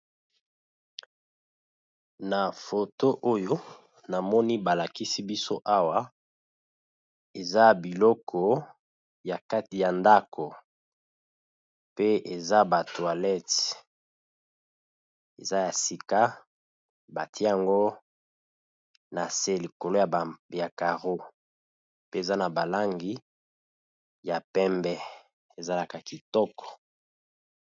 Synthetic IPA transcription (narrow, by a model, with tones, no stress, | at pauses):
na˨fo˨to˦ʔo˦jo˦ | na˨mɔ˦ni˦ba˨la˨ki˦si˦bi˦so˦ʔa˦wa˦ | e˨za˦bi˨lɔ˦kʰɔ˨ | ja˨ka˦ti˨ja˨nda˦kʰo˨ | pe˦e˨za˦ba˨twa˨lɛ˦t | e˨za˦ja˨si˨ka˦ | ba˨ti˦a˨ŋɡo˦ | na˨se˦˨li˨ko˨lo˦ja˨ja˨ka˨ʁo˦ | pe˦e˨za˦na˨ba˨la˦ŋɡi˦ | ja˨pɛ˦mbɛ˦ | e˨za˦la˨ka˨ki˨tɔ˦kɔ̥˨